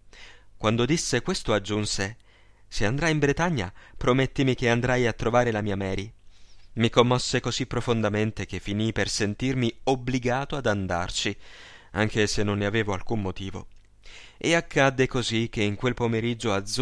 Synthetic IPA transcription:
kwand̪od̪isːekwest̪oad͡ʒːunse | seand̪ɾajimbɾet̪aɲːa̰pɾomet̪ːimikeand̪ɾajat̪ːɾovaːɾelamiːamɛːɾi | mikomːɔsːekozipːɾofond̪ament̪ek̟efːinipersent̪irmiobliɡaːt̪oad̪and̪a̰rt͡ʃia̰ŋk̟esenːonːeaveːvoa̰lkumːot̪iːvo̰ | eakʰːad̪ːekozik̟ːeiŋkwelpomeɾid͡ʒːoad̪z

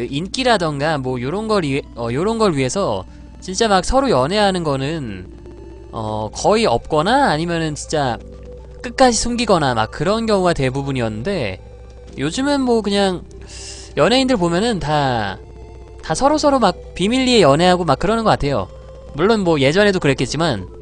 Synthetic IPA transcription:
ɯink͈iɾadɯnɡamwʌjoɾʌnɡʌɾiʌjoɾʌnɡʌɭɥiɦe̞sʰʌ | t͡ɕint͡ɕ͈amak̚sʰʌɾojʌnɦe̞ɦanɯnɡʌnɯn | ʌ̰kʌiʌp̚k͈ʌnaːɲimjʌnɯnt͡ɕint͡ɕ͈a | k͈ɯk̚k͈ad͡ʑisʰuŋɡiɡʌnama̰k̚k͈ːɯɾʌnɡjʌŋuɡatwe̞bubuɲijʌnːɯnde̞ | jod͡ʑɯmɯnmwʌkɯɲaŋ | jʌnɦe̞indɯɭp̬omjʌnɯnta | tasʰʌɾosʰʌɾomak̚pimiʎːie̞jʌne̞ɦaɡomak͈̚ːɯɾʌnɯnɡʌk͈atʰe̞jo̰ | muɭːonmwʌje̞d͡ʑʌne̞dokɯɾe̞tk͈ʰe̞t̚t͡ɕ͈iman

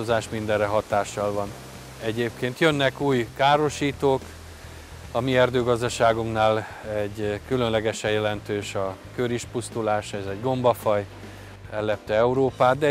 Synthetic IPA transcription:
ozaːʃmind̪ɛrrɛɦɒt̪aːʃːɒlvɒn | ɛɟeːp̚keːnt̪jø̞nːɛkuːjkaːɾo̞ʃiːt̪oːk | ɒmiɛrd̪øːɡɒzd̪ɒʃaːɡuŋknaːlɛɟːkylø̞nlɛɡɛʃɛjɛlɛnt̪øːʃɒkøɾiʃpust̪ulaːʃɛzɛɟɡo̞mbɒfɒj | ɛlːɛp̚t̪ɛɛuɾoːpaːt̪̚d̪ɛ

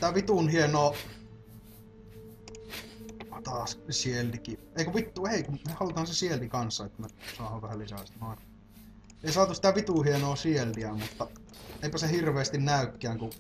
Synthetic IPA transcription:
it̪æʋit̪unhienoː | t̪ɑːssielt̪iki | eˑikøʋit̪ːuːeˑikummehɑlut̪hɑnsesielt̪ikɑnsːɑet̪ːæmesɑːhɑʋʋæhælisæst̪noˑin | eˑisɑːt̪usi̥t̪æʋit̪uˑhienoːsielːiæmut̪ːɑ | eˑipæsehirʋeˑːst̪innæˑykːæːŋku

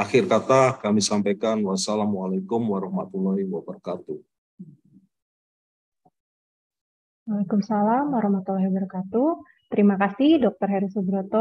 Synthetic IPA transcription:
axirkat̪akamisampajkanwasalamwalakumwaɾɔhmat̪ulɔiwabərkat̪u | walakumsalamwaɾɔhmat̪ulɔɦibərkat̪u | t̪əɾimakasihdɔk̚t̪ɔrɦɛɾisubɾɔt̪ɔ

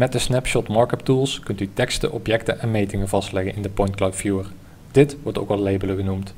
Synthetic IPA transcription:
mɛt̚dəsnɛpʃɔtmɑɹkəp̚tulˠskɵntytɛkstə̰ʔɔpjɛktənʔɛnmejtɪŋəvɑstlɛɣənɪndəpɔjntklawtfjuər | d̥ɪtʋɔɹto̰wkɑlˠlejbələɣənumt

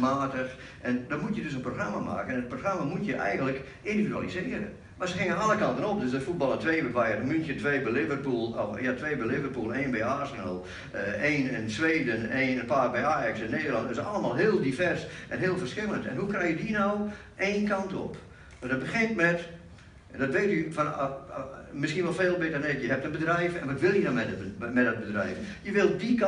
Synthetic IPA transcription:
maːtəx | ʔɛndɔmutjədøs̬ənproxramama̰ːkənɛnət̚proxramamutjəʔɛ̰jɣən̩tlək | ʔindividya̰lisɪəɾə̰ | masəhɪŋənalˠəkɑntənɔp̚døsdəfut̚bɑlˠətʋeːbɛʋajərəmyntjətʋeːbɛlɪvərpulˠɔfjatʋeːbɛlɪvərpulˠeːnbɛjarsənəlˠ | eːnɛnsʋeːdəneːnənpaːrbɛjaːjɑksɛnːeːdərlˠɑntɪsɑlˠəmaːlˠɦɪːəlˠdifɛrsʔɛ̰nɦeːlˠfərskɪlˠəntɛ̰nɦukrɛjjədinɔw | ʔeːnkɑntɔ̰p | dɔt̚bəxɪntmɛt | dɔtʋeːtyfɔn | mɪskiənʋɔlˠfeːlˠbɪtərnɪkjəɦɛp̚tənbədrɛjfɛnʋɔtʋɪlˠjənɔmɛəmɛdɔd̚bədrɛjfjəʋɪlˠdik

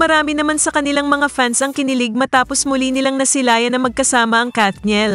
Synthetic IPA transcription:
mɐɾaːmɪnɐmansɐkɐnɪlaŋmɐŋafansɐŋkɪnɪlɪɡ̚mɐt̪aːpo̞smʊlinɪlaŋnɐsɪlaːjɐnɐmɐɡ̚kɐsaːmɐʔɐŋkat̪ɲɛl

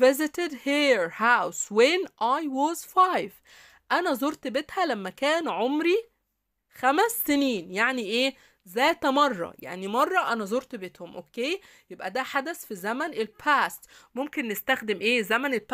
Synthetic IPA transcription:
vɪzɪt̪ed̪hiːɾhawswenʔajwɑːzfajv | ʔænæzoɾt̪bet̪hælæmːækæːnʕomɾi | xæmæsːeniːnjaʕniʔeː | zæːt̪mɑrˤːɑ̰ja̰ʕnimɑrˤːɑʔænæzoɾt̪bet̪homʔokːeː | jebʔæd̪æħad̪æsfizæmænelpʰæːst̪momkenːest̪æxd̪emʔeːzæmænelp

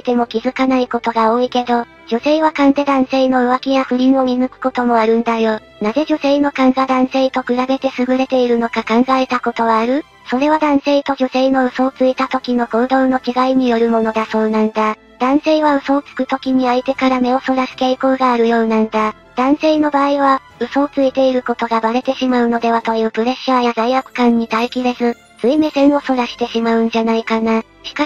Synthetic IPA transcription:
it̪e̞mo̞kʲizɨkanaiko̞t̪o̞ɡao̞ːike̞d̪o̞ | d͡ʑo̞se̞ːβ̞akãnt̪e̞d̪ãɰ̃se̞ino̞ɯ̟βakʲijaɸɯ̟ɾʲĩɰ̃o̞mʲinɯkɯ̟̥ko̞t̪o̞mo̞aɾɯ̟̃nd̪ajo̞ | naze̞ʑo̞se̞ːno̞kãŋɡad̪ãɰ̃se̞ːt̪o̞kɯ̟ɾabe̞t̪e̞sɨɡɯ̟ɾe̞t̪e̞iɾɯ̟no̞kakãŋɡae̞t̪ako̞t̪o̞βaːɾɯ̟ | so̞ɾe̞β̞ad̪ãɰ̃se̞ːt̪o̞ʑo̞se̞ino̞ɯ̟so̞ːt͡sɨit̪at̪o̞kʲino̞ko̞ːd̪o̞ːno̞t͡ɕiɡaiɲ̟ijo̞ɾɯ̟mo̞no̞d̪aso̞ːnãnd̪a | d̪̥ãɰ̃se̞ːβaɯ̟so̞ːt͡sɨ̥kɯ̟t̪o̞kʲiɲ̟iait̪e̞kaɾame̞o̞so̞ɾasɨ̥ke̞ːiko̞ːɡaːɾɯ̟jo̞ːnãnd̪a | d̪̥ãɰ̃se̞ːno̞baːiβa | ɯ̟so̞ːt͡sɨit̪e̞iɾɯ̟ko̞t̪o̞ɡabaɾe̞t̪e̞ɕimaɯ̟no̞d̪e̞βat̪o̞jɯ̟ːpɯ̟ɾe̞ɕːaːjazaiakɯ̟̥kãɲ̟ːit̪aikʲiɾe̞zɨ | t͡sɨime̞sẽ̞ɰ̃o̞so̞ɾaɕi̥t̪e̞ɕimaɯ̟̃ɲ̟d͡ʑanaikana | ɕi̥ka

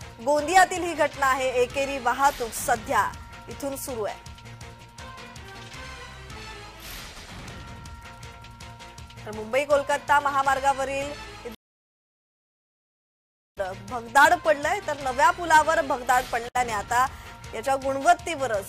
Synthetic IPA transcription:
ɡõnd̪ijat̪iːlɦiːɡʱəʈnaːɦeekeɾiːʋaɦat̪uːksəd̪ʱja | it̪ʰuːnsuɾuːa̰j | t̪əɾmumbəiːkolkət̪ːaməɦamaɾɡaʋəɾiːli | ɾbʱəɡd̪aɽpəɽləjt̪əɾnəʋjapulaʋəɾbʱəɡd̪aɽpəɽlaneat̪ajat͡ɕjaɡuɽ̃ʋət̪ːiʋəɾət͡s

